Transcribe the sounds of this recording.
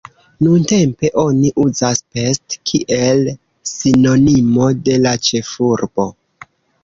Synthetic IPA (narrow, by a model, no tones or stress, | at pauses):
nunte̞mpe̞ʔo̞niʔuzaspe̞stkʰiʔe̞l | sino̞nimo̞de̞lat͡ʃe̞fuɾbo̞